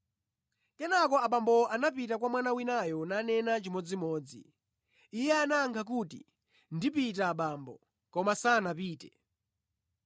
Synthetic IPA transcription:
kɛnakɔaɓambɔanapitak̬wamwanawinajɔnanɛnat͡ʃimɔd͡zimɔːd͡zḭ | ijɛanaːŋkʰak̬uːtḭ | ndipitaɓaːmbɔ̰ | kɔmasanapiːtɛ

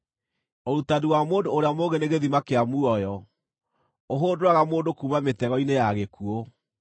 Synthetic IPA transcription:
oɾutadiwamoːndoːɾeamoɣeneɣeðimakeamuɔjɔ | oɦoːndowaɣamoːndokuːmametɛɣɔinejaɣekuo

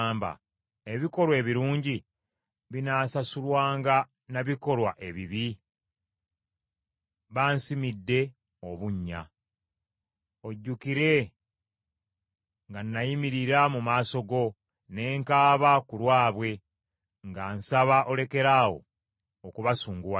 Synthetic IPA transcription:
mba̰ | e̞βiko̞lwe̞ːβiɾuːɲɟi | βinaːsasulwaːŋɡa | naβiko̞lwaʔe̞βiβi | βaːnsimidːe̞ | o̞βuɲːa̰ | o̞ɟːukiɾe̞ | ŋɡanːajimiɾiɾamumaːso̞ɡo̞ | ne̞ːŋkaːβakulwaːβwe̞ | ŋɡaːnsaβaʔo̞le̞ke̞ɾaːwo̞̰ | okuβasuːŋɡuwa

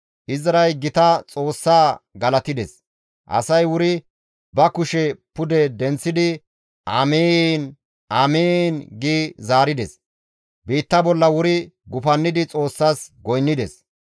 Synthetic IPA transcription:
ʔɪzɐɾɐjɡɪt̪ɐt͡sʼo̞ːsːaːɡɐlɐt̪ɪd̪ɛ̰s | ʔɐ̰sɐjwʊɾɪ | bɐkʊʃɛpʊd̪ɛd̪ɛnt͡sːɪd̪ɪ | ʔaːmeːn | aːmeːnɡiːzaːɾɪd̪ɛs | biːt̪ːɐbɔlːɐwʊɾɪɡʊfɐnːɪd̪ɪt͡sʼo̞ːsːaːsɡɔjnːɪd̪ɛs

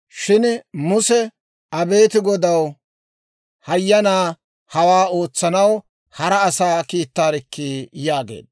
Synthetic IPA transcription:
ʃɪnmʊsɛ | ɐbe̞ːt̪ɪɡɔd̪ɐw | hɐjːɐnaː | hɐwaːo̞ːt͡sːɐnɐw | hɐɾɐːsaːkiːt̪ːaːɾɪkːiːjaːɡḛːd̪

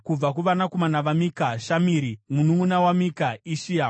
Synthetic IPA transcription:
kub͡vakuʋanakomanaʋamikaʃamiːɾimunumunawamikaiʃija

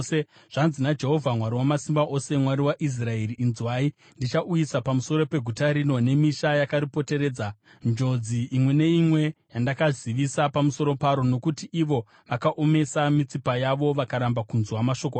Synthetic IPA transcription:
se | ʐ̥anzinad͡ʒe̞ɦo̞vʱamwaɾiwamasimbaʔo̞se̞mwaɾiwaʔis̬raeɾiːnzwaːi | ndit͡ʃaʔujisapamuso̞ɾo̞pe̞ɡʱutaɾino̞ne̞miʃajakaɾipo̞te̞ɾe̞ːd͡za | nd͡ʒo̞d͡ziʔːmwe̞ne̞imwe̞jandakaziʋisapamuso̞ɾo̞paɾo̞no̞kutiʔiʋo̞ | ʋakaʔo̞me̞samit͡sipajaʋo̞ʋakaɾambakunzwamaʃo̞k̬oa

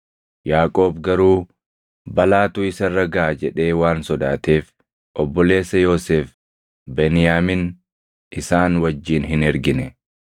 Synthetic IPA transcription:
jaːkʼo̞ːbɡɐɾuː | bɐlaːt̪ʊɪsɐrːɐɡaːd͡ʒɛᶑe̞ːwaːnsɔd̪aːt̪e̞ːf | ʔɔbːɔle̞ːsːɐjo̞ːseːf | bɛnɪjaːmɪn | ɪsaːnwɐd͡ʒːiːnɦɪnɛɾɡɪnɛ

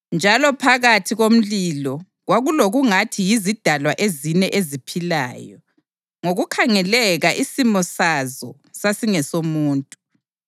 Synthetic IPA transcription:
nd͡ʒʱalɔpʰaɣatʰiɣom̩lilɔ | ɣwaɣuloɣuŋatʰijizid̥ʱalwaʔezinɛʔezipʰila̰ːjɔ | ŋoɣukʰaŋɛlɛɣaʔisimɔsazɔ | sasiŋɛsomuːntʼu

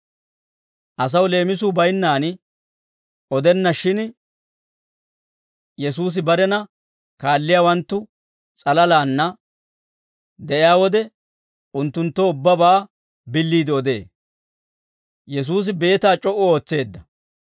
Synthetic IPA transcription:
ʔɐs̬ɐwle̞ːmɪs̬ubɐjnːaːn | ʔɔd̪ɛnːɐʃɪn | jɛsuːs̬ɪbɐɾɛnɐ | kaːlːɪjaːwɐnt̪ːʊ | t͡sʼɐlɐlaːnːɐ | d̪ɛʔɪjaːwɔd̪ɛ | ʊnt̪ːʊnt̪ːɔʊbːɐbaː | bɪlːiːd̪ɪɔd̪e̞̰ː | jɛs̬uːs̬ɪbe̞ːt̪aːt͡ʃʼɔʔʊo̞ːt͡sːe̞ːd̪ːɐ

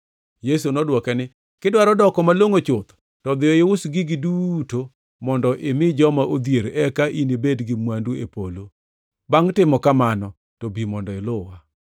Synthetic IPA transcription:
jes̬unɔdwɔkɛnɪ | kɪdwaɾɔdɔkɔmaloŋot͡ʃʊt̪ | tɔd̪ɪɔɪwʊsɡɪɡɪduto | mɔndɔʔɪmɪd͡ʒɔmaʔod̪jeɾɛkaʔinebedɡɪmwanduepolo | baŋtɪmɔkamanɔ | tobimɔndɔɪlʊwa

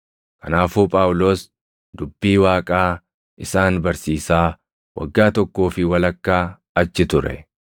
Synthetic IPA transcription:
kɐnaːfuːpʼaːwʊlo̞ːs | d̪ʊbːiːwaːkʼaː | ʔɪsaːnbɐɾsiːsaː | wɐ̰ɡːaːt̪ɔkːoːfɪwɐlɐkːaː | ɐt͡ʃːɪt̪ʊɾɛ̰

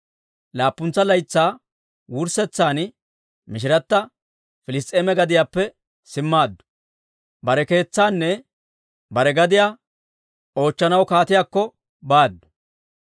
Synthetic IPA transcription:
laːpːʊnt͡sːɐlɐjt͡sːaː | wʊɾsɛt͡sːaːn | mɪʃ̬ɪɾɐt̪ːɐ | fɪlɪs̬t̪ʼːeːmɛɡɐd̪ɪjaːpːɛ | sɪmːaːd̪ːʊ̥ | bɐɾɛke̞ːt͡sːaːnːɛ | bɐɾɛɡɐd̪ɪjaː | o̞ːt͡ʃːɐnɐwkaːt̪ɪjaːkːɔ | baːd̪ːʊ̥

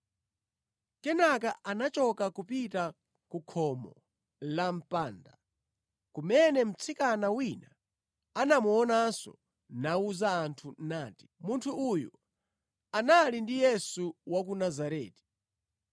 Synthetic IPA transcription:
kɛnakaʔanat͡ʃɔkakupita | kukʰɔmɔ | lam̩paːnda̰ | kumɛnɛm̩t͡sʰikanawina | anamuɔnasɔ̰ | nauzaːntʰunaːti̥muntʰuʔːju | analindijɛsuwak̬unazaɾɛ̰ːti̥

